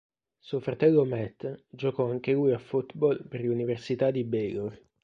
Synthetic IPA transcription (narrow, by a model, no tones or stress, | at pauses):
suofɾat̪ɛlːomɛt̪ːd͡ʒokɔaŋk̟elujafut̪bɔlperluniversit̪ad̪ibɛɡor